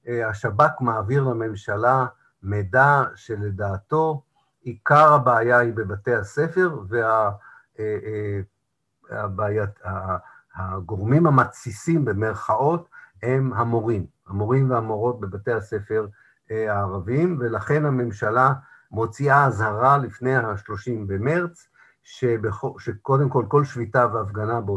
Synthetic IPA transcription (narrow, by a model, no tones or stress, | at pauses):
haʃabakmaːviʁlame̞mʃala | medaʃe̞le̞daːto̞ | ikaʁhabeajaibe̞bate̞jhase̞fe̞ʁvea | a̰baːjaa | aɡo̞ʁmimhamat͡sisimbe̞meʁχaʔo̞the̞mɦamo̞ʁimhamo̞ʁimveamoʁo̞t̚be̞bate̞jhase̞fe̞ʁ | aːʁavimve̞laχe̞nhame̞mʃala | mo̞t͡siaːzhaʁalifnejhaʃlo̞ʃimbe̞meʁt͡s | ʃebeχoʃeko̞demko̞lko̞lʃvitaveafɡanabeo